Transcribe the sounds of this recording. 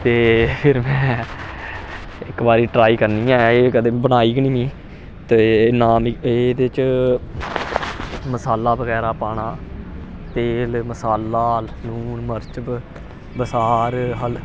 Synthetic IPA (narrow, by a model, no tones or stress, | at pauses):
t̪eːpʰɪɾmɛ̃ː | ɪkbaːɾiːʈɾaːiːkəɾniːɛ̃ːeːkəd̪eːbəɽ̃aːiːknĩːmiː | t̪ːnaːmɪed̪eːt͡ʃ | məsaːlːaːbəɣɛːɾaːpaːɳ̃aː | t̪eːlməsaːlːaːlluːnməɾt͡ʃəb | bəsaːɾɦəl